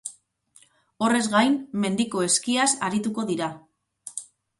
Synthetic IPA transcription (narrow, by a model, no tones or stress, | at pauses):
o̞re̞zɣajmːe̞nd̪iko̞e̞skiasaɾit̪uko̞ðiɾa